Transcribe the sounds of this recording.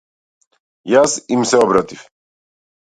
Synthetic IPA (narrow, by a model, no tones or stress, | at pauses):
jasimsɛɔbɾat̪if